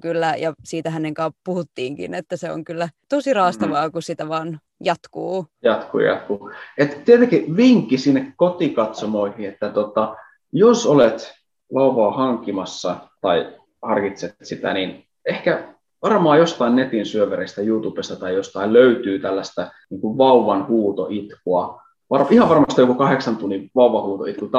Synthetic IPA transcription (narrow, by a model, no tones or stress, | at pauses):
kylːæjɑsiːt̪æhæneŋkɑːppuhut̪ːiːŋkḭnet̪ːæseo̰ŋkylːæt̪osirɑːst̪ɑʋɑːkusit̪æʋɑːn | jɑt̪kuːjɑt̪kṵːjɑ̰t̪̚kuːet̪t̪iet̪eŋkiʋiŋkːisinːekkot̪ikɑt̪somoihiet̪ːæt̪ot̪ɑ | josolet̪ | ʋɑuʋɑːhɑŋkːimɑsːɑt̪ɑi | hɑrkit̪set̪sit̪æ̰nin | ehkæ | ʋɑrmɑːjost̪ɑinnet̪insyøʋæɾest̪æjuːt̪upest̪ɑt̪ɑijost̪ɑilløyt̪yːt̪ælːæst̪æniːŋkuʋʋɑuʋɑnhuːt̪oʔit̪kuɑ | ʋɑrihɑʋɑrmɑst̪ɑjokukɑheksɑnt̪unːiʋɑuʋɑhuːt̪oit̪kut̪